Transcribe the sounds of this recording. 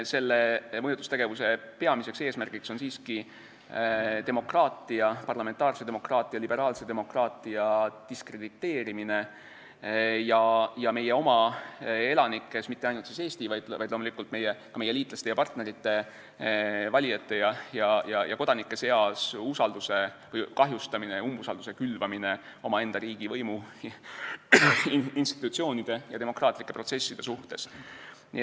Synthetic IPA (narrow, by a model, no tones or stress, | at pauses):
se̞lːemɤjut̪ːˑu̥st̪e̞ɡ̥e̞vuse̞pe̞ɑmise̞kse̞ːsmærɡ̥ikso̞nsiːski | t̪emo̞krɑːt̪ːˑiɑpɑrlɑment̪ˑɑːrse̞d̪e̞mo̞krɑːt̪ˑiɑlibe̞ɾɑːlse̞d̪e̞mo̞krɑːt̪ˑiɑd̪̥iskre̞d̪̥it̪ːˑe̞ːɾimine̞ | jɑjɑme̞jeo̞mɑ | e̞lɑnikˑːe̞smit̪ːeɑjnult̪siːse̞ːst̪ivɑjd̪̥ɑjd̥̪lomulikːˑult̪me̞jɛkɑme̞jːeliːt̪ˑlɑst̪e̞jɑpɑrt̪ne̞ɾit̪ːe̞ | vɑlʲijɑt̪ːe̞jɑjɑjɑjɑ̰ko̞d̪ɑnikːˑe̞se̞ɑsusɑld̪̥use̞vɤjkɑɦjust̪ɑmineumːusɑld̪use̞kylvɑmine̞o̞mɑe̞nd̪̥ɑɾiːɡ̥ivɤjmu | inst̪i̥t̪ːut̪sio̞ːnid̪̥e̞jɑd̪e̞mo̞krɑːt̪ˑlikːe̞pro̞t̪se̞sːid̪̥e̞suht̪e̞s